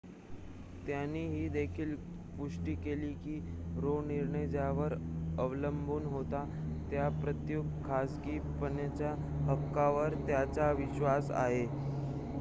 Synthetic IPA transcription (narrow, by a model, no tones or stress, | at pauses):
t̪janːiːɦiːd̪ekʰiːl | puʂʈiːkeliːkiːɾoniɾɳəjd͡ʑjaʋəɾəʋləmbʱuːnɦot̪a | t̪japɾət̪juk̚kʰːasɡiː | pənjat͡ɕja | ɦəkːaʋəɾt̪jat͡saʋiɕʋasa̰ɦe